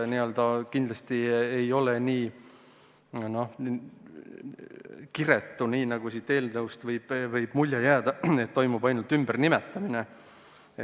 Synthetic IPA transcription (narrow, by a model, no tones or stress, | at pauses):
niø̞ld̪ɑkind̪lɑst̪iejo̞le̞niː | no̞h | kiɾe̞t̪ːuniːnɑɡusit̪ːe̞ːlnɤwst̪vɤjb̥vɤjb̥mulʲjɑjæːd̪̥ɑet̪ːo̞jmubɑjnult̪ːymb̥ərnimet̪ːˑɑmine | e